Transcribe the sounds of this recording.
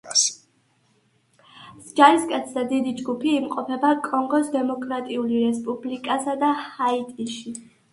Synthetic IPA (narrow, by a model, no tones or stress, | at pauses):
s | sd͡ʒaɾiskʼɛt̪sʰd̪ad̪id̪id͡ʒɡupʰiːmqʼɔpʰɛbakʼɔŋɡɔsd̪ɛmɔkʼɾat̪ʼiuliɾɛspʼublikʼasad̪ahait̪ʼiʃi